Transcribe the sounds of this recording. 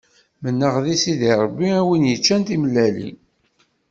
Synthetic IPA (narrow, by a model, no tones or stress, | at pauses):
mənːəʁðisiðiɾˤəbːiæwinjət͡ʃːænt̪imlːælḭ